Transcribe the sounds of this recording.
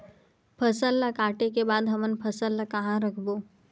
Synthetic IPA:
pʰəsəlːakaːʈekebaːd̪ɦɐmənpʰəsəlːakɐɦãɾɐkʰboː

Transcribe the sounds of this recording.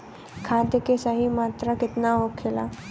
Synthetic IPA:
kʰaːd̪jəkesəɦimaːt̪ɾakɪt̪naɦokʰːela̰

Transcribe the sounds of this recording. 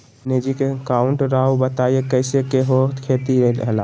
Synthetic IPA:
ned͡ʒikekaʊɳʈɾaːobət̪aiekəɪsekeɦot̪kʰeːt̪iɾəɾə̰ɦla

